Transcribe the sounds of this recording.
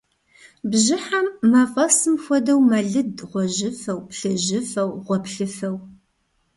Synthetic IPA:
bʑɪħamːɐfʼɐsɨmxʷɔdɐwmɐɮɨdʁʷɔʑɪfɐwpɬɨʒɪfɐwʁʷɔpɬɨfɐw

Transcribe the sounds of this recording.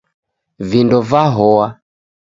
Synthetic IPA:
vindɔvaɦɔa

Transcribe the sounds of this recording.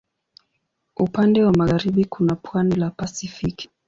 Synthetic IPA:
upandɛwamaɣaɾiɓikunapʰwanilapasifiki̥

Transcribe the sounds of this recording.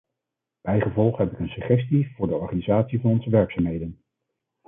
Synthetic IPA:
b̥ɛjχəvɔlˠχɦɛpɪkənsyχɛstiv̥ʊːɹdəɔɹχaːnizaːtsivɑnɔnzəʋɛɹksaːmɦejdən

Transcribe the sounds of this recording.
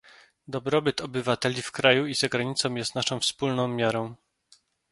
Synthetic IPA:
d̪ɔbɾɔbɘt̪ɔbɘvat̪ɛlʲifkɾajuizaɡɾaɲit̪sɔ̃w̃jɛst̪naʂɔ̃w̃fspulnɔ̃w̃mʲjaɾɔ̃w̃

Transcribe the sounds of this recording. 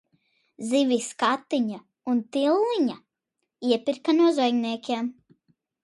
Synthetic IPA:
ziviskat̪ːiɲa | unt̪ilˠːiɲa | iɛpiɾkanuɔzɔjɡniɛkʲeɛm

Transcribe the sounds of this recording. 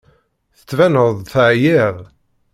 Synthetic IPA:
θə̥t͡sːvænəðˤθʕjɪʁ

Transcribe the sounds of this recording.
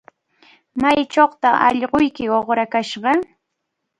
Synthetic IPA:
majt͡ʃoχt̪aʔɑ̰ʎɢʊjkɪoχɾakaʃɢɑ

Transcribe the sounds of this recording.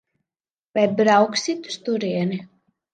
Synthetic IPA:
vɛjbɾawksit̪u̥st̪uɾiɛni

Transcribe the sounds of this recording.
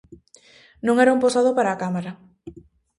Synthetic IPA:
nõŋɛɾaumposaðopaɾaːkamaɾa

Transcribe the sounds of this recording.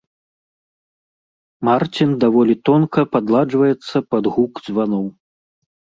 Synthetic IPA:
mart͡sʲind̪avɔlʲit̪ɔnkɐpad̪lˠad͡ʐvɐjɛt̪sːɐpɐd̪ɣukzvanɔw

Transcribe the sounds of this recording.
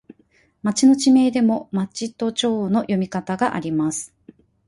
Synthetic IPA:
mat͡ɕino̞t͡ɕime̞ːd̪e̞mo̞mat͡ɕit̪o̞t͡ɕo̞ːno̞jo̞mʲikat̪aɡaʔa̰ɾʲimasɨ̥

